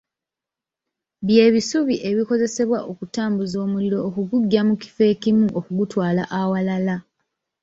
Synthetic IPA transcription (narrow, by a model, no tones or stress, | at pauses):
βje̞ːβisuβiʔe̞βiko̞ze̞se̞βwaʔo̞kutaːmbuzo̞ːmuliɾo̞ːkuɡuɟːamuki̥fe̞ːkimuʔokuɡutwaːla̰ʔawalala